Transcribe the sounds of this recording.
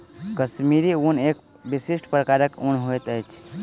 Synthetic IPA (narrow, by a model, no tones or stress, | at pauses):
kəsmiɾiunek | bisiʃʈʰpɾəkaɾəkunɦojt̪əjt͡ʃʰ